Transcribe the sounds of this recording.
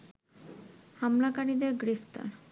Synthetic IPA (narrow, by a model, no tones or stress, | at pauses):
hamlakaɾid̪eɾɡɾift̪a̰ɾ